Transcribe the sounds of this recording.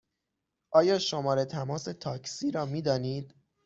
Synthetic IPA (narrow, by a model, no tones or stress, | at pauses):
ʔɒːjɒːʃomɒːɾe̞t̪ʰæmɒːse̞t̪ʰɒːksiːɾɒːmiːd̪ɒːniːd̪̥